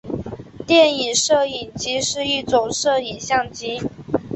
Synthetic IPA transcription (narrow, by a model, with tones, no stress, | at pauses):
t̪jɛ˥˩ni˨˩nʂɤ˥˩i˨˩nt͡ɕi˧˥ʂɻ̩˥˧i˥˩t͡so˨˩ŋʂɤ˥˩i˨˩nɕjɑ˥˩ŋt͡ɕi˧˥